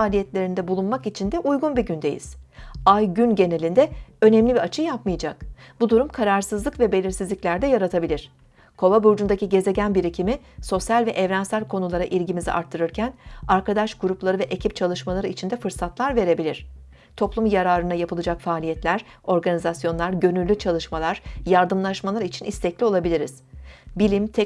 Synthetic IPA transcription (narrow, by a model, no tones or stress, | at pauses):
aːlʲijɛt̪lʲe̞ɾind̪ɛbulˠunmakit͡ʃʰind̪ɛʔujɡunbiɟynd̪e̞jḭz̥ajɟynɟe̞ne̞lʲind̪ɛø̞nɛmlʲibiat͡ʃʰɯjapmɯjad͡ʒakb̥ud̪uɾumkʰaɾaɾsɯzˠɯkvɛbe̞lʲiɾsizlʲicʲlʲæɾd̪ɛjaɾat̪ʰabilʲiɾ̥ | kʰo̞vabuɾd͡ʒund̪aciɟe̞ze̞ɟænbiɾicʰimiso̞sjalʲvɛʔɛvɾænsælʲkʰo̞nulˠaɾaʔilʲɟimizḭʔa̰ɾt̪ʰːɯɾɯɾcʰænaɾkʰad̪aʃɡuɾuplˠaɾɯvɛʔecʰip̚t͡ʃʰalˠɯʃmalˠaɾɯit͡ʃʰind̪ɛfɯɾsat̪lˠaɾve̞ɾe̞bilʲiɾ̥ | t̪ʰo̞plˠumjaɾaːɾɯnajapʰɯlˠɯd͡ʒakfaːlʲijɛt̪lʲæɾ | o̞ɾɡanizasjo̞nlˠaɾɟø̞nylːʲyt͡ʃʰalˠɯʃmalˠaɾ̥jaɾd̪ɯmlˠaʃmalˠaɾit͡ʃʰinʔist̪ʰɛclʲio̞lˠabilʲiɾiz̥bilʲimt̪ʰɛ